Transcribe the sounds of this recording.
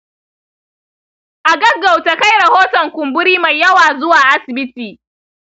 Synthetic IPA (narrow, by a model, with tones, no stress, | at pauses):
ʔa˨ɡɐ˦ɡːa˨wta˨ka˦jɽɐ˨hoː˦tɔ˨ŋkʷʊ˨mbʊ˦ɾiː˦ma˨jjːɐ˦waː˨zʊ˦waː˨ʔa˦sɪ˨bɪ˦tiː˨